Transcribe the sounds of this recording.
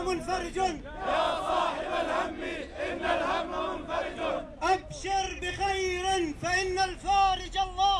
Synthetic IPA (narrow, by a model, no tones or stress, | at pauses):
mʊnfaɾˤɪd͡ʒn | jaːsˤɑːħɪbalhamːiʔɪnːalhamːamʊnfaɾɪd͡ʒʔabʃɑɾˤbɪxajɾɪnfaʔɪnːalfaːɾɪd͡ʒalˤːɑː